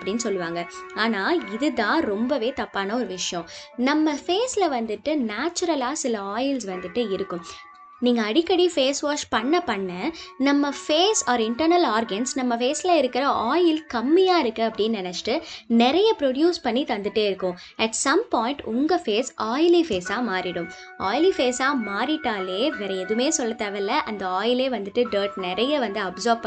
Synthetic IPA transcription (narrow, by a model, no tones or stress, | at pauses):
ɐpːɐɽɪnːsɔlːɯʋaːŋɡɐaːnaːɪðɯt̪ãːɾɔmbɐʋeːt̪ɐpːaːnɐɔɾɯʋɪʂɐjɔ̃nɐmːɐfeːslɐʋɐnd̪ɯʈːɯnaːt͡ʃːʊɾɐlaːsɪlɐaːjɪlsʋɐnd̪ɯʈːɯɪɾɯkːʊ̃m | niːŋɡɐːɽɪkːɐɽifeːsʋaːʂpɐɳːɐpɐɳːɐnɐmːɐfeːsaːɾɪɳʈɐɾnɐlaːɾɡɐnsnɐmːɐfeːsɪlɐɪɾɯkːɪɾɐʔaːjɪlkɐmːɪjaːɪɾɯkːɯɐpːɐɽɪjnnɛnɛt͡ʃːʈɯnɪɾɐjɐpɪɾoɽjuːspɐɳːit̪ɐnd̪ɯʈːeːɪɾɯkːʊ̃ | ɛʈsɐmpɔːɪɳʈʊŋɡɐfeːsaːjlifeːsaːmaːɾɪɽɯm | aːjlifeːsaːmaːɾɪʈːaːleːʋɛɾɐɛðɯmeːsɔlːɐt̪ːɐʋɐlːɐʔɐnd̪ɐaːjɪleːʋɐnd̪ɯʈːɯɖəːɾʈnɪɾɐjɐʋɐnd̪ɯɐbsɔːɾb̚pɐ